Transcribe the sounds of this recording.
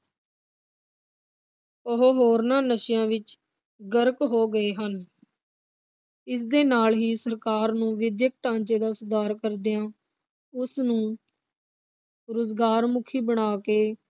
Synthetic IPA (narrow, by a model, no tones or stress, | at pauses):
əɦoɦoːɾnãːnəʃɪjãːʋɪt͡ʃ | ɡəɾəkɦoːɡəeːɦən | ɪs̬d̪eːnaːlɦiːsəɾkaːɾnũːʋɪd̪jək̚ʈãːnt͡ʃeːd̪aːsʊd̪aːɾkəɾd̪ejãː | ʊsnũː | ɾʊzɡaːɾmʊkʰiːbəɽ̃aːkeː